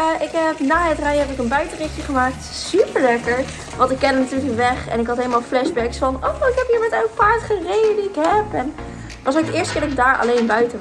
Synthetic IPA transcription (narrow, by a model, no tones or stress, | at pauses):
ʔɪkɦɛpnaːɦətrɛjɛpɪkənbœɥtərɪχjəχəmaːkt | sypəɹlɛkəɹ | ʋɑ̃ntɪkːɛndənatyːɹləəkʋɛχɛ̰nɪkɦɑtɦeləmaːlˠflɛʃbɛksfɑnowɪkɦɛpɦiːɹmɛtœɥtpaːɹdəχərejdədiɪkɦɛpɛn | tʋɑs̬owkdɪːɹstəkɪːdɔɪɡ̚daːɹɑ̰lejnbœɥtə